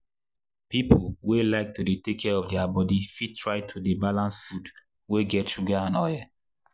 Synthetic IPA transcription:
pipʰolwelaɪk̚tudetekʰɛɔfdɛabɔdifitʰɹaɪtʰudebalãnsfud | weɡɛtʃuɡaãnɔja

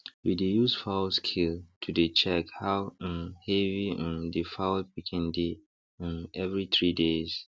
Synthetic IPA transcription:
widejuzfaskʰiltʰudet͡ʃʰɛkhaw̃mhɛviɛ̃ndifawwikʰɛ̃ndĩ | nɛvɹiθɹidez

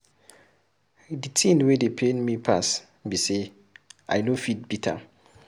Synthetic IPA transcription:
ditʰĩnwedepʰenmipʰa̰s | bise | ʔa̰jnofit̚bitʰa̰

